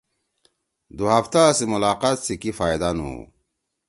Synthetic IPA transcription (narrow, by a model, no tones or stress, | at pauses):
d̪uɦaft̪asimulaːqat̪sikifaːjd̪anṵ